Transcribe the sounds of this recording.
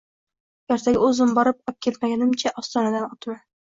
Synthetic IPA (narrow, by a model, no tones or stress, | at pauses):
jɒɾt̪ʰaɡʲɪɵzɪmbɒɾɪp̚ɒp̚kʲʰet̪maɡʲanɪmt͡ʃʰaʔɒst̪ɒnad̪anɒt̪ʰman